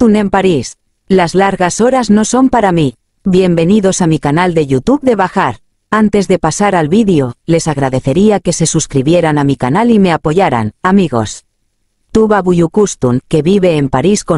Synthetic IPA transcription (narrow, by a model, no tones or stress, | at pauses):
une̞mpaɾis | lazlaɾɣaso̞ɾazno̞so̞mpaɾami | bje̞mbe̞niðo̞samikanald̪e̞ʝut̪uβðe̞βaxaɾ | ant̪e̞zðe̞pasaɾalβiðeo̞le̞saɣɾaðe̞θe̞ɾiake̞se̞suskɾiβje̞ɾanamikanalime̞apo̞ʝaɾa̰namiɣo̞̰s | t̪uβaβuʎukust̪uŋke̞βiβe̞ːmpaɾisko